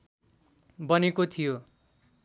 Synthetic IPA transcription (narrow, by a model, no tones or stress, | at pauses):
bʌnekot̪ʰijo